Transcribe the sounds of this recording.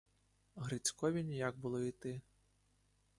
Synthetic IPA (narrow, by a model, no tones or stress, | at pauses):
ɦɾɪt͡sʲkɔʋʲinʲijaɡ̚bʊlˠɔit̪ɪ